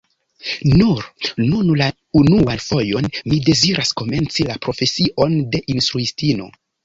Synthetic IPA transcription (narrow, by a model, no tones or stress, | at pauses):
nuɾnunla | unuanfo̞jo̞nmide̞ziɾʔasko̞me̞nt͡silapɾo̞fe̞siʔo̞nde̞ʔinstɾuistino̞̰